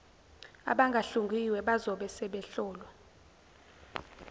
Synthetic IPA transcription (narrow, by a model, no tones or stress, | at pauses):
a̰ɓaŋɡʱaɬuŋɡʱiwɛɓazɔɓɛsɛɓɛɬɔːlwɛ